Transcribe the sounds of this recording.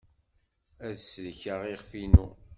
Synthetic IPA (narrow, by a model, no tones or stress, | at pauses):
æðsləçəʁiʁfinu